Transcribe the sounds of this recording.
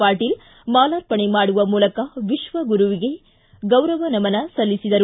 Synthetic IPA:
aːʈːɪl | maːlaːɾpɐɳimaːɽɯʋɐmuːlɐkːaːʋɪʂʋɐɡʊɾuʋɪɣɐ | ɡɐʊɾɐʋɐnɐmɐnɐsɐlːɪsɪðɐɾ

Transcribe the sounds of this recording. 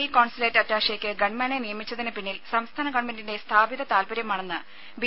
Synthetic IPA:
ikoːɳsileːtːɐtːaːʂjekʲːɨɡɐɳmenenijɐmit͡ɕːɐðinɨpinːilsɐmst̪ʰaːnɐɡɐɳmendinde̞st̪ʰaːbiðɐt̪aːlpɐɾjɐmaːɳe̞nːɨ | bi

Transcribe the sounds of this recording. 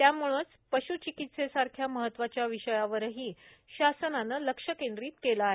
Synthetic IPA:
t̪jamuɭ̃ət͡s | pəɕut͡ɕikit̪sesaɾkʰjaməɦət̪ːʋat͡ɕjaʋiɕəjaʋəɾɦiː | ɕasənanələkʂəkend̪ɾiːt̪kelaːɦe

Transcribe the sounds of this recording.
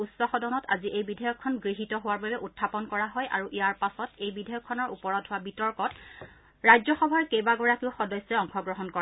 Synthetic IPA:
usɔxɔdɔnɔta̰ziʔejbidʱɔjɔkʰːɔnɡɹiɦitɔɦowaɹbabɛʔutʰːapɔnkɔɹaɦɔjʔa̰ɹuʔijaɹpasɔtejbidʱɔjɔkʰːɔnɔɹupɔɹɔdɦʊwabitɔɹkɔt | ɹajzɔxɔbʱaɹkejbaɡɔɹakiʊxɔdɔsɛɔŋxɔɡɹɔɦɔnkɔa

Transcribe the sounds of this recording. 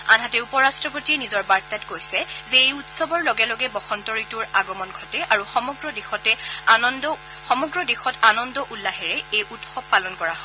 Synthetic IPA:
anɦatɛupɔɹastɹɔpotinizɔɹbaɹtatɡojsɛzeejutsɔbɔɹlɔɡɛlɔɡɛbɔxɔntɔɹituɹaɡɔmɔnɡʱɔtɛʔaɹuxɔmɔɡɹɔdixɔtɛ | xɔmɔɡɹɔdixɔtanɔndɔʔulːaɦɛɹɛejʔutxɔb̚pːalɔnkɔɹaɦɔ

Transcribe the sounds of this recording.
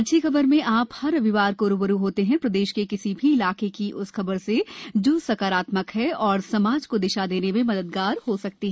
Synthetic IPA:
ɐʃʰixɐbəɾmẽʔaːphɐɾɐʋɪʋaːɾkoːɾubəɾuɦoːt̪eɦɛ̃pɾɐd̪eːʃkekɪsibʱiɪlaːkekiʔʊsxɐbəɾsed͡ʒoːsɐkaːɾaːt̪məkɦɛɔːɾsɐmaːd͡ʒkod̪ɪʃad̪eːnemẽmɐd̪əd̪ɡaːɾɦosɐk̚t̪iɦɛ̃ɛ

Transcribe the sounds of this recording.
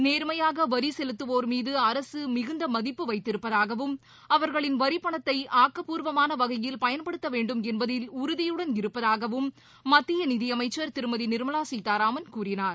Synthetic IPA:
neːɾmɐjaːɣɐʋɐɾisɛlɯt̪ːɯʋoːɾmiːðɯɐɾɐsɯmɪɣɯnd̪ɐmɐðɪpːɯʋɐɪt̪ːɪɾɯpːɐðaːɣɐʋɯm | ɐʋɐɾɣɐɭɪnʋɐɾɪpːɐɳɐt̪ːɐɪʔaːkːɐpuːɾʋɐmaːnɐʋɐɣɐjɪlpɐjɐnpɐɽɯt̪ːɐʋeːɳɖɯmɛnbɐðɪlʊɾʊðɪjɯɽɐnɪɾɯpːɐðaːɣɐʋɯmː | ɐt̪ːɪjɐnɪðɪjɐmɐɪt͡ʃːɐɾt̪ɪɾɯmɐðinɪɾɯmɐlaːsiːt̪ːaːɾaːmɐnkuːrɪnaːɾ

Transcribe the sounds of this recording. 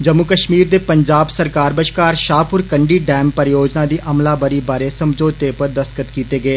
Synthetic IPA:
d͡ʒəmːʊkəʃmiːɾd̪eːpəɲd͡ʒaːbsəɾkaːɾbəʃkaːɾʃaːpʊɾkəɳɖiːɖɛːmpəɾjoːd͡ʒnaːd̪iːʔəmlaːbəɾiːbaːɾeːsəmd͡ʒoːd̪̚t̪eːpəɾd̪əskət̪kiːt̪eːɡəeː

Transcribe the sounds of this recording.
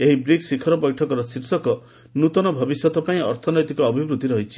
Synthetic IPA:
eɦibɾiksikʰɔɾɔpɔjʈʰɔkɔɾɔsiɾsɔkɔ | nut̪ɔnɔbʱɔbisjɔt̪ɔpaĩɔɾt̪ʰɔnɔjt̪ikɔːbʱibɾut̪iɾɔɦit͡ʃʰi̥

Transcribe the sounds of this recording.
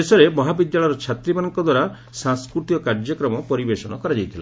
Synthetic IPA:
esɔɾemɔɦabid̪jaɭɔjɾɔt͡ʃʰat̪ɾimanɔŋkɔd̪waɾa | saŋskɾut̪ijɔkaɾd͡ʒjɔkɾɔmɔpɔɾibesɔnɔkɔɾad͡ʒajt̪ʰila̰

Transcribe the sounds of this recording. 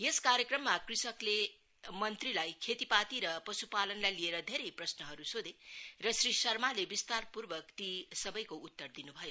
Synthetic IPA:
eskaɾjekrʌmːakrisʌkle | mʌnt̪rilajkʰet̪ipat̪iɾʌpʌsupalʌnlajlieɾʌd̪ʱeɾejprʌsnʌɦʌɾusod̪erʌsrisʌrmalebist̪arpurbʌkt̪isʌbʌjkout̪ːʌrd̪inubʱʌjo

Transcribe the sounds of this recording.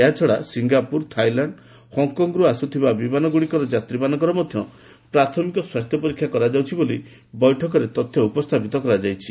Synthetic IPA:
eɦat͡ʃʰɔɽasiŋɡapuɾt̪ʰajlaɳɖ | hɔŋkɔŋɡɾuasut̪ʰibabimanɔɡuɽikɔɾɔd͡ʒat̪ɾibanɔ̃ŋkɔɾɔmɔd̪ʱjɔ | pɾat̪ʰɔmikɔswast̪ʰjɔpɔɾikʰjakɔɾad͡ʒawt͡ʃʰiboli | bɔjʈʰɔkɔɾet̪ɔt̪ʰːjɔupɔst̪ʰapit̪ɔkɔɾad͡ʒajt͡ʃʰi

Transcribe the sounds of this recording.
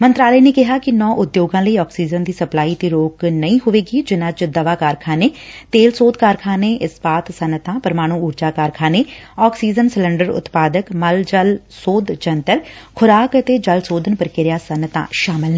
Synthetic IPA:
mə̃nt̪ɾaːləiːneːkɪɦaːkɪnɔ̃ːʔʊd̪joːɡãːləiːɔːksiːd͡ʒənd̪iːsəplaːiːt̪eːɾoːknəĩːɦʊʋeːɡiːd͡ʒɪnãːt͡ʃd̪əʋaːkaːɾkʰãːneːt̪eːlsoːd̪̚kaːɾkʰãːneːʔɪspaːt̪sənt̪ãːpəɾmaːɽ̃ũːuːɾd͡ʒaːkaːɾkʰãːneːɔːksiːd͡ʒənsɪləɳɖəɾʊ̰t̪paːd̪əkməld͡ʒəl | soːd̪t͡ʃənt̪əlkʰʊɾaːkət̪eːd͡ʒəlsoːd̪ənpəɾkɪɾɪjaːsənt̪ã̰ːʃaːmɪlnː

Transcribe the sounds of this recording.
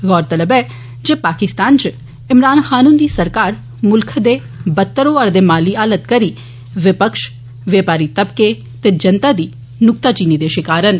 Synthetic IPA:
ɣɔːɾt̪ələbɛː | d͡ʒeːpaːkɪst̪aːnt͡ʃ | ɪmɾaːnxaːnũːnd̪iːsəɾkaːɾ | mʊlkʰd̪eː | bət̪ːəɾõːəɾd̪eːmaːliaːlət̪kəɾiː | ʋɪpəkʃ | ʋeːpaːɾit̪əb̚ke | t̪eːd͡ʒənt̪aːd̪iː | nʊk̚t̪aːt͡ʃiːnid̪eːʃɪkaːɾən

